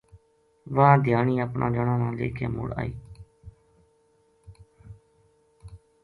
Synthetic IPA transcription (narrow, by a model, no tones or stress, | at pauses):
ʋad̪ʱjaːɳiːəpnʔã̰ːd͡ʒəɳãːnãːlḛːkʰḛːmʊɽa̰ːiː